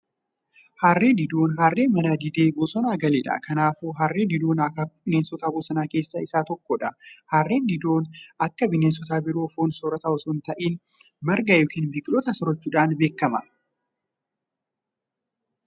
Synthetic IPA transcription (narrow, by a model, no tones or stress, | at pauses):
haːrːe̞ːd̪ɪd̪o̞ːnɦaːrːeːmɐnɐd̪ɪd̪eːbɔsɔnaːɡɐleːᶑɐ̰ːkɐnaːfuɦarːeːd̪ɪd̪oːnɐkaːkʊbɪneːnsɔt̪aːboːsɐnaːke̞ːsːɐɪsaːt̪ɔkːɔᶑɐhaːrːeːnd̪ɪd̪o̞ːnɐkːɐbɪneːns̬ɔt̪aːbɪɾoːfoːnsɔɾɐt̪ɐɔsʊnt̪ɐʔiːn | mɐɾɡɐjoːkiːnbɪkʼlɔt̪ɐsɔɾɔt͡ʃːuːᶑaːnbe̞ːkːɐmɐ